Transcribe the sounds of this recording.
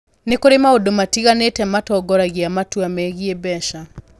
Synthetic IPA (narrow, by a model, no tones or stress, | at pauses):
nekoɾemaodomatiɣanetɛmatɔɡɔɾaɣiamatuamɛɣiebɛʃa